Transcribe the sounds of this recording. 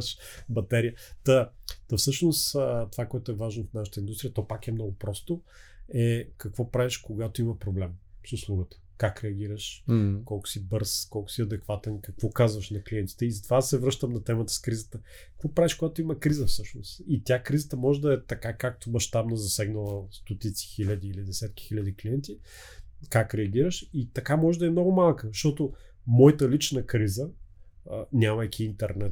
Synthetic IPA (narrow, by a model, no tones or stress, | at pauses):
ʃbɐt̪ɛɾijət̪ət̪ɐfsɤʃnost̪ovakoɛt̪ʊɛvaʒnofnaʃə̥t̪əind̪ust̪ɾiət̪ɔpakɛmnɔɡʊpɾɔst̪o | ɛkɐkvɔpɾavɛʃkoɡat̪oimɐpɾoblɛmsuslˠuɡət̪ə̥kakɾɛɐɡ̟iɾəʃkɔlˠkʊ̥sibɤɾskɔlˠkʊ̥siɐd̪ɛkvat̪ɛnkɐkvɔkazvɐʃnɐkliɛnt̪i̥t̪ɛizɐt̪ovad̪sɛvɾɤʃt̪əmnɐt̪ɛmət̪ə̥skɾizət̪ə | kɐ̥kvɔpɾaviʃkoɡat̪oimɐkɾizəfsɤʃnosit̪ʲjakɾizət̪əmɔʒɛd̪ɐɛt̪ɐkakak̚t̪omɐʃt̪abnəzɐsɛɡnəlˠəst̪ot̪it̪si̥xilʲəd̪iːlid̪ɛsɛt̪kʲi̥xilʲɐd̪ikliɛnt̪i | kakɾɛɐɡʲiɾəʃit̪ɐkamɔʒɛd̪ɐɛmnɔɡʊmalˠkəʃt̪ɔt̪o | mɔjət̪əlit͡ʃnəkɾizə | nʲamɐjkʲiint̪ɛɾnɛt̪